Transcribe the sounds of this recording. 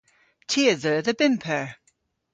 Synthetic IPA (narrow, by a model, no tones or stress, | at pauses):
tʰiəðəːðəbɪmpʰɛɹ